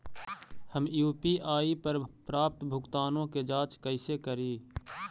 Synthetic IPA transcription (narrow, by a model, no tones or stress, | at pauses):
həmjuːpiʔaːipəɾpɾaːp̚t̪bʱʊkt̪aːnõked͡ʒaːt͡ʃkəɪsekəɾiː